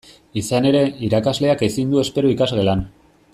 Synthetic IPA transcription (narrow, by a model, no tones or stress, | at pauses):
isane̞ɾe̞iɾakazle̞akesind̪ue̞spe̞ɾuikazɣe̞lan